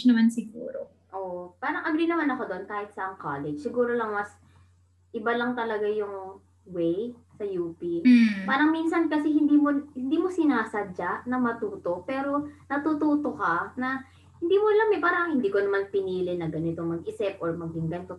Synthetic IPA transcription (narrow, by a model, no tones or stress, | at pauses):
nɐmansɪɡṵːɾo̰ | ʔoːʔpaːɾɐŋʔɐɡɾiːnɐmanɐko̞d̪oʔnkaːhɪt̪̚sɐŋkaːlɛd͡ʒsɪɡuːɾo̞lɐŋmɐs | ʔɪbalɐŋt̪ɐlɐɡajʊŋ | wɛj | sɐjuːpipaːɾɐŋminsɐnkɐsɛhɪnd̪iːmohɪnd̪iːmo̞sɪnaːsɐd͡ʒaʔnɐmɐt̪uːt̪o̞ʔpɛːɾo̞nɐt̪ut̪uːt̪okɐnɐ | hɪnd̪iːmolɐmɛpaːɾɐŋhɪnd̪iːkonɐmanpɪniːlɪnɐɡɐnɪt̪omɐɡʔɪsɛpʔoɹmɐɡɪŋɡɐnt̪o